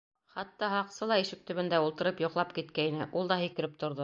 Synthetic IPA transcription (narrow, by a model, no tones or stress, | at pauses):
χɑt̪ːɑɦɑqsɤlˠɑiʃɘ̆k̚t̪ɵ̆βɘ̆nd̪æulˠt̪ɤ̆ɾɤpjŏqlˠɑpkit̪̚kæinɘʔulˠd̪ɑhĭkɘ̆ɾɘp̚t̪ŏɾðo